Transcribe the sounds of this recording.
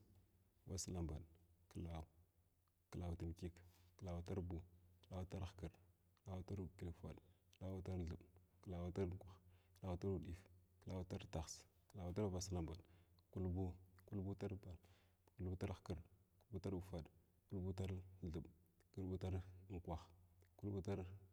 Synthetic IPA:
wa˨sla˦mba˨ɗkə˨la˨u˨ | kə˨la˨wti˨m˨ki˦kkə˨la˨wu˨ta˦ɾbu˨kə˦la˨wu˦ta˦ɾxkə˨ɾ | kə˦˨la˨wa˦ta˦ɾu˨ki˨li˨˦fa̰˨ɗkə˦la˦wu˦ta˦ɾɮu˨ɓkə˨la˨wa˦ta˦ɾŋ˨kʷa˨xkə˨la˨wu˨˦ta˦ɾu˨ɗi˨fkə˨la˨wu˨˦ta˦ɾta˨xs | kə˨la˨wa˨ta˦ɾba˨sa˨la˦mba˨ɗku˦lbu˦ku˦lbu˦ta˦ɾba˨l | ku˦lbu˦ta˦ɾxkə˨ɾu˦lbu˦ta˦ɾu˨fa˨ɗ | ku˦lbu˦ta˦ɾɮu˨ɓku˦lɓu˦ta˦ɾŋ˨kʷa˨xku˦lɓu˦ta˦ɾ

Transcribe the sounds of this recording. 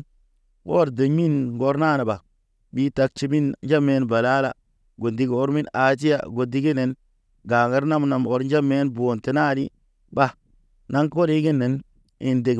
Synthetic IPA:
wo˦ɾde˨ɲmi˦nɡo˦ɾna˦˨na˨ba˨ | bi˦ta˧k̚t͡ʃi˦mi˦nnd͡ʒa˦me˨˦nba˨la˦la̰˨ | ɡo˨di˨˦ɡo˦ɾmi˦na˨t̬i˦ja̰˦˨ɡo˨di˦ɡi˦ne˨n | ɡaː˨ɡa˦ɾna˦mna˨mo˨ɾd͡ʒa˦me˦nboː˨nte˨˦na˦ɾi˦ | ba˦ | na˦ŋko˦ɾi˦ɡi˦nːe˨n | i˨nde˨

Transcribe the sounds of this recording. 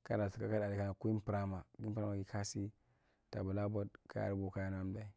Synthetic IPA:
ka˦a˨su˨ka˦ka˦a˨di˨ka˦˨ku˦i˦m˦pɾa˦ma˨ɡi˦pɾa˦ma˨ɡi˦ka˦si˦ | ta̰˨bu˨la˦bo˦dka̰˦a̰˨ɾbo˨ka˦ja˦na˦m˦da˨i˨

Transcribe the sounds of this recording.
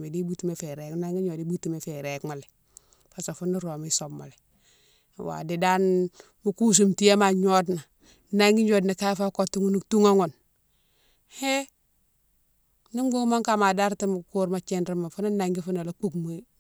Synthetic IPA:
me˨di˦bu˦tu˨me˨fe˨ɾe˨kna˦ŋɡi˦ɲo˨di˦bu˦ti˨me˨fe˨ɾe˨kma˨le˨ | fa˨so˨fu˦ni˦ɾo˨mi˦so˨bma̰˨le˨ | wa̰˨di˨da˦n | mu˦ku˦s̬u˨mti˦je˦ma˨ɲo˦dna˨˦ | na˦ŋɡi˦d͡ʒo˦dna˨ka˦fa˦ko˦tːu˦ŋu˦nu˦tu˦ŋa˦ŋu˨n | he˦ | ni˦ŋɡo˦ma˦ŋka˦ma˨da˦ɾti˦m˨ku˦ɾma˨t͡ʃe˦nɾi˦ma˨fu˦na˦na˨ŋɡi˦fu˦na˨la˦k͡pu˦kmo˦

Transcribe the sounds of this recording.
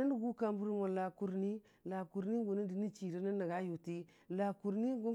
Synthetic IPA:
a˦n˦du˨ɡu˦ka˦mbu˦ɾi˦mo˨la˨ku˨ɾni˦ | la˨ku˨ɾni˦ɡu˨ni˦di˨ni˦t͡ʃi˨ɾi˦na˦nːa˨ɡa˦ju˨ti˦ | la˨ku˨ɾni˦ɡu˦

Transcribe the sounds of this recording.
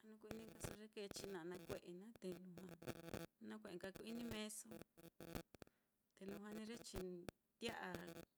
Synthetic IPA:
a˧nũ˧ku˧i˧nĩ˦ŋka˧so˧ɾe˦ke˧t͡ʃi˧nã˧˨˧nã˧kʷe˧˨ʔe˧nã˦t̪e˧lũ˧ɦã˧nã˦kʷe˧ʔe˨ŋka˧ku˧i˦nĩ˦mẽ˦so˧ | t̪e˧lũ˧ɦã˧nĩ˧ɾe˦t͡ʃi˧ | t̪a˦ʔa˧

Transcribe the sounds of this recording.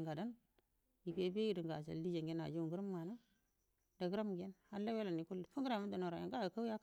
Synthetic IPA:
ŋɡa˨da˦n | ji˨ke˨˦be˦ji˨di˨ŋɡa˨t͡ʃa̰˨ldi˦d͡ʒe˨ŋɡe˦na̰˨d͡ʒu˦u˨ŋɡu˦ɾa˦mː˦a˨na˦ | da˨ɡɾa˦m˨ɡe˦nha˨n˦la˦we˦la˨ni˨ku˦lːi˨fu˦ŋɡɾa˨mu˦da˨no˨ɾa˨ja̰˨ŋɡa˦˨ka˦wja˦k

